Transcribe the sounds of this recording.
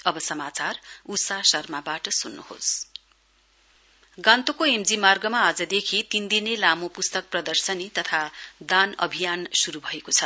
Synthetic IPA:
ʌbʌsʌmat͡sarusasʌrmabaʈʌsunːṵho̰s | ɡãnt̪okoemd͡zimarɡʌmaːd͡zʌd̪ekʰit̪ind̪inelamopust̪ʌk̚prʌd̪ʌrsʌnit̪ʌt̪ʰad̪anʌ̰bʱijansuɾubʱʌekot͡sʰʌ

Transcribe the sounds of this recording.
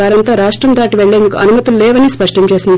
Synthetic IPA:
aːɾɐnt̪aːɾaːʂʈɾɐmd̪ʱaːʈiʋeɭːeːnd̪ukuʔɐnumɐt̪ullɛːʋɐnispɐʂʈɐmt͡ʃeːsind̪i

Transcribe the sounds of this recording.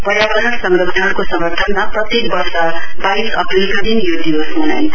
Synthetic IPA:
pʌɾjabʌɾʌnsʌŋɡʌtʰʌnkosʌŋʌrt̪ʰʌnmaprʌt̪ek̚bʌrsʌbajsʌ̰pɾilkod̪injod̪ibʌsɦuna̰j

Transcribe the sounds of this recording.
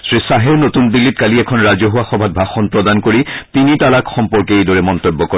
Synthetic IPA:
sɹisaɦɛnotunbilːit̚kaliɛkʰɔnɹazɔɦuwaxɔbʱat̚bʱaxɔnpɹɔdankoɹitinitalakxɔmpɔɹkejdɔɹɛmɔnt̪obːɔkɔ

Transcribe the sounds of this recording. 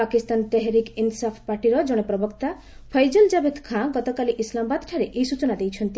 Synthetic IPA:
akist̪ant̪ɛɦɾikinsɔpʰpaɾʈiɾɔd͡ʒɔɽ̃epɾɔbɔkt̪a | pʰʌjd͡ʒɔld͡ʒabed̪kʰãɡɔt̪ɔkaliʔislamɔbad̪ʈʰaɾeʔejsut͡ʃɔnad̪ejt͡ʃʰɔnt̪i

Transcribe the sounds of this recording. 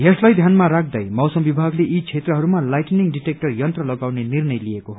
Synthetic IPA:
jeslajd̪ʱjanmaɾak̚ʰd̪ʌjmʌwsʌmbibʱaɡleʔit͡sʰet̪rʌɦʌɾumalajʈniŋɖiʈek̚ʈʌrjʌnt̪rʌlʌɡawnenirnʌjlijekoɦ

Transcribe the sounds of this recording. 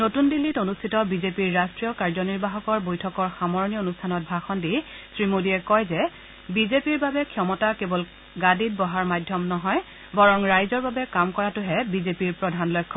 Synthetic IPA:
notundilːitonustʰitɔbizepiɹːastɹijɔkaɹzɔniɹbaɦɔkɔɹbojtʰɔkɔɹxamɔɹɔnijɔonustʰanɔt̚bʱaxɔndi | sɹimodiɛkɔjzɛ | bizepiɹbabɛkʰjɔmɔtakebɔl | ɡadit̚bɔɦaɹmadʱjɔmnɔɦɔj | bɔɹɔŋɹajzɔɹbabɛkamkɔɹatʊɦɛbizepiɹpɹɔdʱanlɔjkʰːɔ

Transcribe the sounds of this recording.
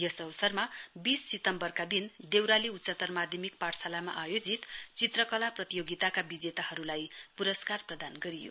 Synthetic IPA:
jʌsʌwʌsʌrmabisːit̪ʌmbʌrkad̪ind̪ewɾaliut̪sʌt̪ʌrmad̪ʱjʌmik̚paʈsalama̰ʔajod͡zit̪t͡sit̪rʌkʌlaprʌt̪ijoɡit̪akabid͡zet̪ahʌɾulajpuɾʌskarprʌd̪anɡʌɾijo̰

